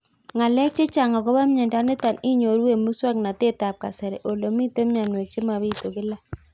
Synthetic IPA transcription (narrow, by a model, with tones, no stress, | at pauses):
ŋa˨lɛ˦k̚t͡ʃe˦t͡ʃa˨ŋa˨ko˦ba˦mɲɛ˨nda˦nɪ˦ta˨ni˦ɲo˨ɾwe˦˨mu˦swa˦kna˨te˦˨ta˨p̚ka˨sɛ˨ɾɛ˨ʔo˨lo˨mi˦te˦mja˨nwe˨t͡ʃe˦ma˨βi˦to˨kɪ˦la˦